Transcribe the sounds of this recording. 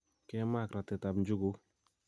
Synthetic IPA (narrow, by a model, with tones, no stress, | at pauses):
kɛ˦ma˦˨kɾa˨tɪ˨ta˨bn˦d͡ʒu˦ɡu˦k